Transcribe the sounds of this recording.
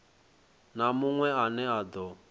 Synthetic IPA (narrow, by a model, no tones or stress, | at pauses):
namʊŋwɛanɛad̪ɔ